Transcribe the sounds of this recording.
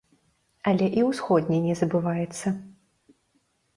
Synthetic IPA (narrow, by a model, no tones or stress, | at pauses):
ɐlʲɛʔiwsxɔd̪ʲnʲɛnʲɛzɐbɨvajɛt̪sːɐ